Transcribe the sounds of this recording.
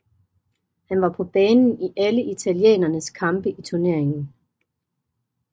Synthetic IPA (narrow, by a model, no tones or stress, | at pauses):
hænʋɑ̈pʰɒ̽b̥ɛːnn̩iʔæləʔit͡sʰæljḛːnɐnəskʰɑ̈mb̥əʔit͡sʰuɐne̝ɐ̰e̝ŋn̩